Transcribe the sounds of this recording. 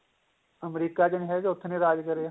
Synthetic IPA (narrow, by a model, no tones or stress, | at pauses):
əmɾiːkaːd͡ʒənɦɛd͡ʒʊt̪ʰːneɾaːd͡ʒkəɾe